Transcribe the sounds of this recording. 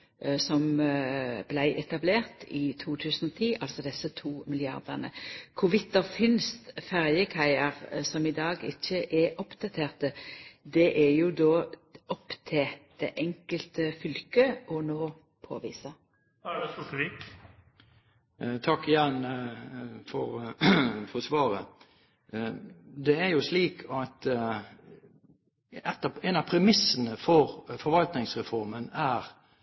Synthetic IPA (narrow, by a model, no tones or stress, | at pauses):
sɔm | blæɪʔɛt̪ɑbleːʁt̪ɪt̪ʰuːt̪ʰʉːsənɔt̪ʰiːʔɑlsɔd̪ɛsət̪ʰuːmɪlɪɑ̰ʁd̪əʁnə̰kʰʊʋɪt̪ːəfɪnst̪fæʁjəkʰæɪəʁsɔmɪd̪ɑːɡɪ̰çːəʔɛʔɔpd̪̥ɑt̪ʰeːʁt̪əd̪ɛʔɛjʊd̪oːɔpːt̪ʰed̪̥ɛ̰ʔɛŋkəlt̪əfʏlkəʔɔnoː | pʰo̰ːʋḭːsə | ulik | t̪ʰɑkːɪjæn | fɔɾ | fɔsʋɑːɾə | d̪ɛæɾjʊsliːkʰɑt̪ | ɛt̪ːɑɛnɑpʰɾɛmɪsənəfɔʁfɔɾʋɑlt̪nɪŋsʁɛfɔɾmənæːɾ